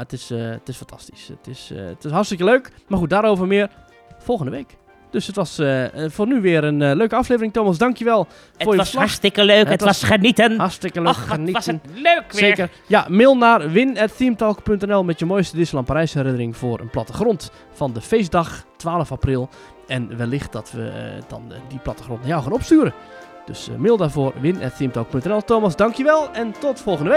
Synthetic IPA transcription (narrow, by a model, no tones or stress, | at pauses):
jaətɪstɪsfantʰɑsti̥sə̰tɪstɪsharstɪkəløːkmarχut̚daːɾoːwvərmɪər | folˠxəndəʋeːk | d̥øsətʋɔsəfoːrnyʋɪəɾənløːkəɑflejvərɪŋtoːmas̬dɑŋkjəʋɛlˠ | fʊjəslaastɪkəløːkətsxənitənhastɪkəløəninløkseːkər | jamɪlˠnarʋɪnɛtθiəmtɔlˠkpøntɛnɛlˠmɛtjəmoːjstədɪsəlˠɔmpaɾɛjsɛrɾɪnərɪŋfʊːrə̰nplatəxront | fɔndəfeːsdɑxtʋaːlˠəfaprilˠ | ɛnʋɛlɪxt̚d̥ɔtʋə̰d̥ɔ̰ndiplatəxront̚najawxaːnopstyːɾə | d̥ø̰smɪlˠdaːɹvoːrʋɪnɛ̰tθiəmtɔlˠk̚pøntɛnɛlˠtoːmasdɑŋkjəʋɛlˠɛntɔtfolˠxəndəʋe